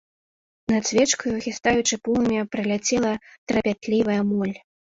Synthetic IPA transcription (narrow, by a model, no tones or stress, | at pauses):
nɐt̪sʲvʲɛt͡ʂkɐjuɣʲist̪ajut͡ʂɨpulˠmʲɛpɾɨlʲat͡sʲɛlˠɐt̪ɾɐpʲat̪lʲivɐjɐmɔlʲ